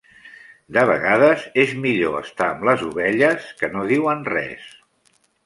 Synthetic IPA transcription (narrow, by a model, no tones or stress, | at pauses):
d̪əβ̞ə̰ɣað̞əzezmiʎoə̰st̪aəmləzuβɛʎəskənoðiwənrɛ̰s